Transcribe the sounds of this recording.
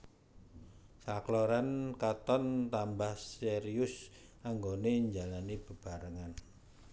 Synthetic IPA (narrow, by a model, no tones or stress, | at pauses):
saklɔɾankat̪ɔnt̪ambahseɾiʊs | aŋɡoneɲd͡ʒalanib̥ə̤b̥a̤ɾəŋan